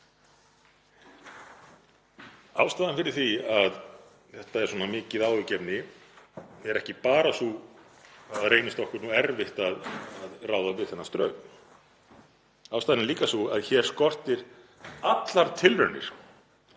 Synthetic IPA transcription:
awst̪aːðanfɪɾɪɾ̥θviað | θɛht̪aɛɾ̥swɔːnamɪːcɪðaːwɪcɛpnɪ | ɛɾɛhcɪpaːɾasu | areːjnɪst̪ɔhkʏɾnuːɛɾvɪht̪aðaðraːwðavɪðθɛnːast̪ɾœ̰ːɥ | awst̪aːðnliːkasuaðçɛɾ̥skɔr̥t̪ɪɾ | at̪laɾt̪ʰɪlvœɾnɪ̰ɾ̥

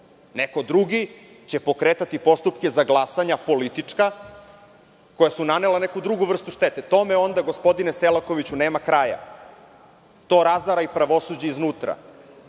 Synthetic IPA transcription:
nekod̪ɾuɡi | t͡ɕe̞po̞kɾeːt̪at̪ipo̞st̪upkezaɡlˠasaɲapo̞lit̪it͡ʂka | ko̞jasunanelane̞kud̪ɾuɡuʋr̩st̪uʃt̪et̪et̪o̞meo̞nd̪aɡo̞spo̞d̪ineselako̞ʋit͡ɕuneːmakɾaːja̰ | t̪o̞ːɾazaɾaipɾaʋo̞sud͡ʑeiznuːt̪ɾa̰

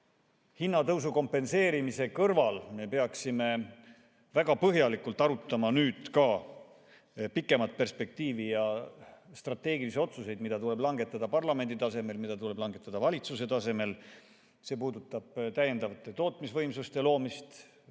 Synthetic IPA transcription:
hinːɑt̪ɤws̬uko̞mpːe̞nse̞ːɾimise̞kɤrvɑlme̞pe̞ɑksime̞ | væɡ̥ɑpɤɦjɑlikult̪ːˑɑɾut̪ːˑɑmɑnyːd̪̥kɑ | pikˑːe̞mɑt̪̚pe̞rspe̞k̚t̪iːvijɑ | st̪rɑt̪ːe̞ːɡiliseo̞t̪suse̞jd̪mid̪̥ɑt̪ule̞blɑŋɡ̥e̞t̪ːˑɑd̪̥ɑpɑrlɑme̞nd̪it̪ɑse̞me̞lmid̪̥ɑt̪ule̞b̥lɑŋɡe̞t̪ˑːɑd̪ɑvɑlʲit̪suse̞t̪ɑse̞me̞l | se̞ːpuːd̪ut̪ːˑɑb̥t̪æje̞nd̪ɑvɑt̪ːˑe̞t̪o̞ːt̪ˑmisvɤ̞jmsust̪elo̞ːmist̪

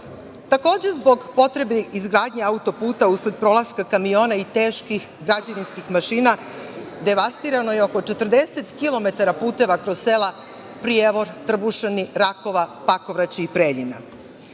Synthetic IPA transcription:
t̪ako̞ːd͡ʑe̞zbo̞ɡpo̞t̪ɾe̞beizɡɾaːd̪ɲeaut̪o̞puːt̪auːsled̪̚pɾo̞lˠaskakamijo̞ːnait̪eːʃkix | ɡɾad͡ʑaʋinskixmaʃiːna | d̪e̞ʋast̪iɾano̞jeo̞ko̞t͡ʃe̞t̪r̩d̪e̞set̪kilˠo̞me̞t̪aɾapuːt̪e̞ʋakɾossela | pɾijeʋo̞ɾt̪r̩buʃeniɾako̞ʋapako̞ʋɾat͡ɕiipɾeːʎina̰

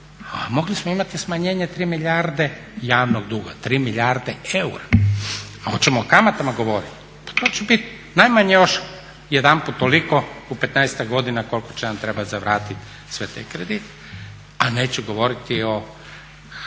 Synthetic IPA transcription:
amo̞ɡlismoimat̪ismaɲe̞ːɲet̪ɾiːmiʎʲaɾd̪e̞ | jaːʋnoɡd̪uːɡat̪ɾiːmiʎaɾd̪eeuɾa | aot̪t͡ɕemoːkamat̪amaɡo̞ʋo̞ɾit̪ | pḁt̪oːt͡ɕebit̪ | najmaɲejo̞ʃ | jed̪amput̪ːoliko̞upe̞t̪najst̪aɡɡo̞d̪inako̞lko̥t͡ʃenamt̪ɾebat̪zaʋɾaːt̪it̪ | sʋet̪ajkɾed̪it̪ | aneːt͡ɕɛɡo̞ʋo̞ɾit̪io̞

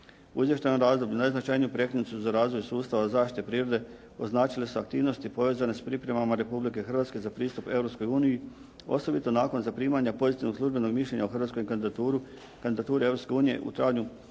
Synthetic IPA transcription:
uizʋje̞ʃt̪ajnomɾaːzd̪o̞bʎunajznat͡ʃajnijupɾe̞kɾinut̪suzaɾaːzʋo̞jsuːst̪aʋazaːʃt̪i̥t̪epɾiːɾod̪e̞ | o̞znaːt͡ʃilesua̰k̚t̪iːʋno̞st̪ipo̞ʋe̞ːzane̞spɾipɾe̞mamaɾe̞publike̞xrʋat̪ske̞zapɾiːst̪upe̞vɾo̞psko̞juːniji | o̞̰so̞bit̪o̞naːko̞nzapɾiːmaɲapo̞zit̪iʋno̥slˠuʒbe̞no̞ɡmiʃʎe̞ɲauxrʋat̪ko̞jk̪ | kand̪id̪at̪uːɾeeʋɾopske̞uːnije̞̰ʔṵt̪ɾaːɡɲu

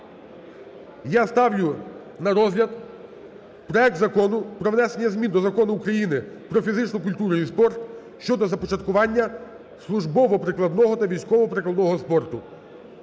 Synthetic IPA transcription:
jɑst̪ɑwlʲʊ | nɐɾɔzɦlʲɐd̪ | pɾɔɛk̚t̪zɐkɔnʊpɾɔʋnɛse̞nʲːɐzmʲind̪ɔzɐkɔnʊːkɾɐjinɪpɾɔfʲizɪt͡ʃnɔkʊlʲt̪uɾnijspɔrt̪ | ʃt͡ʃɔd̪ɔzɐpɔt͡ʃɐt̪̚kʊʋɑnʲːɐ | slˠʊʒbɔʋɔpɾɪklˠɐd̪nɔɦɔt̪ɐʋʲijsʲkɔʋɔpɾɪklˠɐd̪nɔɦɔspɔrt̪ʊ

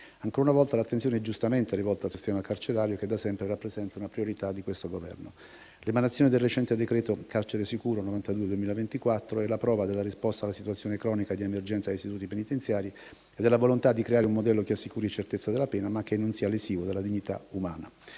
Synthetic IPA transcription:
aŋkoːɾaunavɔlt̪alat̪ːensjoːneɛd͡ʒust̪ament̪erivɔlt̪oalsist̪ɛːmakart͡ʃeɾaːɾjoked̪asɛmpɾerapːɾezɛnt̪aunapɾioɾit̪ad̪ikwest̪oɡovɛ̰rno | lemanat̪sjoned̪elret͡ʃɛnt̪ed̪ekɾɛːt̪okart͡ʃeɾesikuːɾonovant̪ad̪ued̪uemiːlavent̪ikwat̪ːɾoɛlapɾɔːvad̪elːaɾispɔst̪aːlasit̪uat̪sːjoːnekɾɔːnikad̪iemerd͡ʒɛnsajist̪it̪uːt̪ipenit̪ent̪sjaːɾi | ed̪elːavolont̪ad̪ːikɾeaːɾeumːod̪ɛlːok̟easːikuːɾit͡ʃert̪et̪sːad̪elːapɛːnamak̟ːenːonsiːalesiːvod̪elːad̪iɲːit̪a̰umaːna

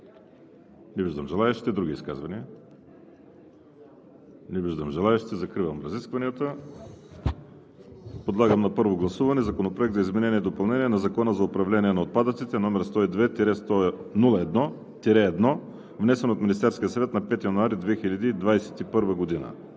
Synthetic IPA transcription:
nʲibiʒd̪əmʒɛlˠaɛʃi̥t̪ɛd̪ɾuɡʲiːskazvɐniə | nʲibiʒd̪əmʒɛlˠaɛʃit̪ɛzɐkɾivəmɾɐziskvɐniət̪ə | pod̪lˠaɡəmnɐpɤɾvoɡlˠɐsuvɐnɛzɐkonopɾoɛk̚t̪zəizmɛnɛniɛd̪opɐlˠnɛniɛnɐzɐkɔnəzɐʊpɾɐvlɛniɛnɐot̪̚pad̪ət̪sit̪ɛnɔmɛɾst̪ɔid̪vɛt̪iɾɛst̪ɔ | nulˠɐɛd̪nɔ | t̪iɾɛːd̪nɔ | vnɛsɛnot̪mʲinist̪ɛɾskʲijəsɐvɛt̪nɐpɛt̪ijənuaɾid̪vɛxiʎʲɐd̪iːd̪vajsɛ̥t̪ipɤɾvəɡod̪inə̰

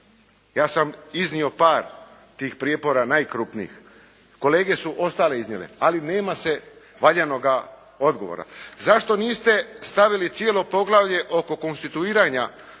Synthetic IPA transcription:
jaːsamiznio̞paːɾ | t̪iːxpɾijepo̞ɾanaːjkɾupniḭx | ko̞le̞ːɡe̞suʔo̞st̪aːle̞iznɲjelḛaline̞ːmase̞ | ʋaʎano̞ɡa | o̞d̪ɡo̞ʋo̰ɾa̰zaʃt̪o̞niːst̪e̞st̪aʋilit̪sjelo̞po̞ɡlˠaʋʎe̞ʔo̞ko̞ko̞nst̪it̪uiːɾaːɲa

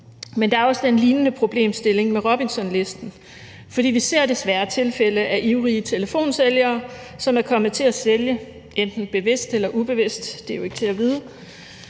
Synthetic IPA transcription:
mend̥ɑ̈æɐɒ̽səd̥enliːnənəpʰʁo̝b̥le̝̰ːmsd̥e̝le̝ŋmeʁɔb̥iŋsɒ̽nle̝sd̥n̩ | fɒ̽d̥ḭːʋise̝ɐ̰d̥e̝sʋæɐt͡sʰe̝lfel̰əʔæʔiʊʁiːət͡sʰe̝ləfo̝̰ːnseljɐː | sɒ̽mæɐkʰɒ̽mð̩ˠt͡sʰe̝æseljə | end̥n̩b̥e̝ʋe̝sd̥elɐʔub̥e̝ʋe̝sd̥ːe̝joe̝ɡ̥ət͡sʰe̝æʋiːð̞ˠə

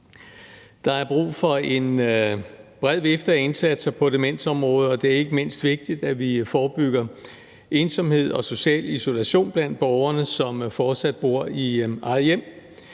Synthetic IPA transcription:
d̥ɑ̈æɐb̥ʁṵːfɒ̽e̝n | b̥ʁɛð̞̰ˠʋefd̥ɐæe̝nsæd̥sɐpʰɒ̽d̥e̝men̰sɒ̽mʁɔ̽ːð̞̩ˠɒ̽d̥e̝æɐe̝ɡ̥əme̝n̰sd̥ʋe̝ɡ̥̚d̥id̥æʋifɒːb̥yɡ̥ɐ | ʔe̝ːnsɒ̽mhe̝ð̞̰ˠɒ̽so̝ɕɛ̰ːliso̝læɕo̝̰ːnb̥læn̰d̥̚b̥ɒʊɐnəsɒ̽mfɒːd̥sæd̥̚b̥o̝ɐ̰iʔɑ̈ðˠjem̰

